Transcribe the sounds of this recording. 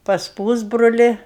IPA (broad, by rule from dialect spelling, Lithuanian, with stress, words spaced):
pɐs ˈpuːzbroːlʲɪ